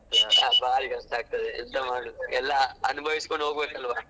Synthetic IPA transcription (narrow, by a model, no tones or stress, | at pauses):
aa̰ːbaːliɡɐɐsʈaːɡ̚t̪ɐd̪eid̪ɐmaːɽuɛlːɐɐnubʱɐʋisi̥koɳɖoːɡbeːkɐlʋaː